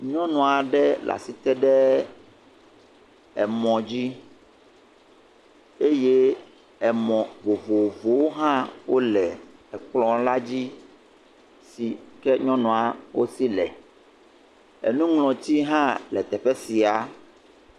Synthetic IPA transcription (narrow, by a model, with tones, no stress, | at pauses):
ɲɔ̃˦nɔ̃˨a˨ɖɛ˦lʔa̰˨si˨t̪ɛ˦ɖɛ˦ | ɛ˨mɔ̃˨d͡ʑi˦ | e˦je˦ | ɛ˨mɔ̃˨vo˨vo˨vo˨wo˦ɦã˦wo˦lɛ˨ɛ˨k͡plɔ̃˦la˦d͡ʑi˦ | si˨kɛ˦ɲɔ̃˦nɔ̃˨a˨wo̰˦si˦lɛ˨ | ɛ̰˨nũ˦ŋlɔ̃˨t̪i˦ɦã˦lɛ˨t̪ɛ˨ɸɛ˦si˨a˨